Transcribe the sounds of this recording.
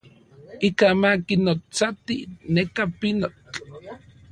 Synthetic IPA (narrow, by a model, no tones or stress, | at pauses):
ikamakinot͡sat̪ḭnekapinot͡ɬ